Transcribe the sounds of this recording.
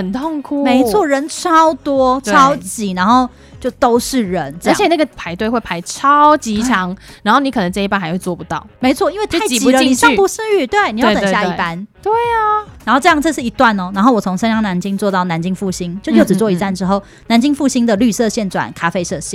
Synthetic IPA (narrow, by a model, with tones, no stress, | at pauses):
ə˨˩nt̪ʰo˥˨ŋkʰu˨me˨˧˥ɪt͡sʰwɔ˥˩ɻə˧˥nʈ͡ʂʰɑ˦˥ʊt̪wɔ˥ʈ͡ʂʰɑ˦ʊt͡ɕi˨˩˦na˧˥nxo˥˩ʊ | t͡ɕjo˥˩ʊt̪o˥ʊʂɻ̩˥˩ɻə˨˦nə˥˧ə˧˥t͡ɕʰjɛ˨˩na˥˩ɡə˨˩pʰa˧˥ɪt̪we˥˧xwe˥˩ɪpʰa˧˥ɪʈ͡ʂʰɑ˦ʊt͡ɕi˧t͡ɕʰɑ˧˦ŋa˧nxo˥˩ni˧˥kʰɤ˨˩nə˧˦ŋʈ͡ʂɤ˥˧i˥pa˥nxa˧ɪxwe˥˧t͡swɔ˥˩pu˧˦t̪ɑ˥˨˩ʊme˧˥ɪt͡sʰwɔ˥˨i˦nwe˥˧ɪtɪt͡ɕi˨i˨˧˩ə˧i˥ni˨˩ʂɑ˥y˨pu˧˥s̩˥˧y˥˩t̪we˥˩ɪn˨˩jt̪ə˨ŋ˩˧ja˥˧i˥e˥˩pa˦nt̪we˥˩ɪɐ˩na˧nxo˥˧ʊʈ͡ʂɤ˥˧jɑ˥˧ŋʈ͡ʂɤ˥˧ʂɻ̩˥˩i˧˥t̪wa˥˩nɔ˩na˧˥nxo˥˩ʊwɔ˨˩o˧˥ŋʂə˥njɑ˥ŋna˧˥nt͡ɕi˥ŋt͡swɔ˥˧t̪ɑ˥˩ʊna˧˥nt͡ɕi˥ŋfu˥˨˩ɕi˥ŋt͡ɕjʊjo˥˩ʊʈ͡ʂɻ̩˨˩t͡swɔ˥˨i˧˥t͡sa˥˩˨nʈ͡ʂɻ̩˥xo˥˩ʊ | na˧˥nt͡ɕi˥ŋfu˥˧ɕi˥ŋd̪ə˨ly˥˧sɤ˥˧ɕjɛ˥˩nʈ͡ʂwa̰˨˩nkʰa˥fe˥˧ɪʂɤ˥˧ɕjɛ˥˩